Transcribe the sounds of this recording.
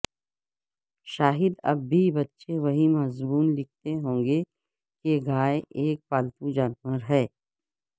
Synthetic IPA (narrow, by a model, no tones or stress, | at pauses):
ʃaːɦɪd̪ɐ̰bːʱibɐtːʃeʋɐɦimɐɦzbuːnlɪk̚ʰt̪eɦõːŋɡe | keɡaːeʔeːk̚paːlt̪ũd͡ʒaːnwəɾɦɛː